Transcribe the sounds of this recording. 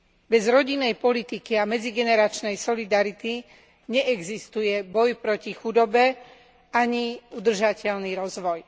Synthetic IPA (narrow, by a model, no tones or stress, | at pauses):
bɛzɾɔɟinːɛjpɔlit̪ikiamɛd͡ziɡɛnɛɾat͡ʃnɛjsɔlid̪aɾit̪i | ɲɛʔɛɡzist̪ujɛbɔjpɾɔcixud̪ɔbɛ | aɲiud̪r̩ʒacɛʎniɾɔzʋɔj